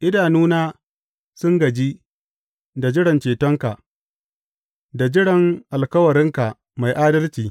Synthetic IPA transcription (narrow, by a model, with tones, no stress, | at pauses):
ʔɪ˦daː˨nuː˦naː˦ | sʊ˦ŋɡɐ˨d͡ʒi˦ | da˨d͡ʒɪ˦ɽɐ˨nt͡ʃeː˨tɔ˦ŋka˨ʔ | da˨d͡ʒɪ˦ɽɐ˨ŋʔa˨lkɐ˦wɐ˨ɾɪ˦ŋka˨ | ma˨jʔaː˦dɐ˦lt͡ʃiː˨